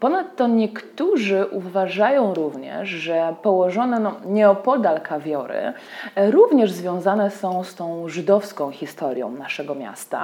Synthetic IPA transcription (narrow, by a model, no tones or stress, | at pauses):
pɔnat̪ːɔɲɛkt̪uʐɘʔuvaʐajɔ̃w̃ɾuvɲɛ̰ʂʐɛpɔwɔʐɔnɛnɔɲɛɔpɔd̪alkʰavʲjɔɾɘ̰ | ɾuvɲɛʐzvʲjɔ̃w̃zanɛsɔ̃w̃st̪ɔ̃w̃ʐɘd̪ɔfskɔ̃w̃xʲist̪ɔɾʲjɔ̰̃w̃naʂɛɡɔmʲja̰st̪a̰